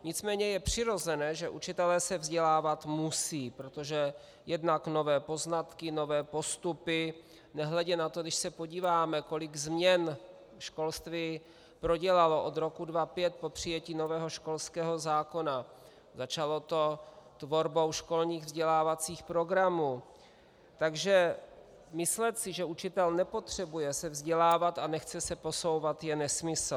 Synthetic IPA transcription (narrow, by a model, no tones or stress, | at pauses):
ɲɪt͡smɛːɲɛjɛpr̥ɪɾo̞zɛnɛːʒɛʔut͡ʃɪt̪ɛlɛːsɛvzɟɛlaːvat̪musiːpɾot̪oʒɛ | jɛdnakno̞vɛːpo̞znat̪kɪno̞vɛːpo̞st̪upɪ | nɛɦlɛɟɛnat̪odɪʃsɛpo̞ɟiːvaːmɛko̞lɪɡzmɲɛn | ʃko̞lst̪vi | pɾo̞ɟɛlalo̞ʔo̞d̪ɾo̞kudvapjɛt̪̚po̞pr̝̥ɪjɛciːno̞vɛːɦo̞ʃko̞lskɛːɦo̞zaːko̞na | zat͡ʃalo̞t̪o̞t̪vo̞ɾbowʃko̞lɲiːɣvzɟɛlaːvat͡siːxpɾo̞ɡɾamuː | t̪aɡʒɛ | mɪslɛt̪sɪʒɛʔut͡ʃɪt̪ɛlnɛpo̞t̪r̝̥ɛbujɛsɛvzɟɛlaːvat̪anɛxt͡sɛsɛpo̞so̞wvat̪jɛnɛsmɪsl̩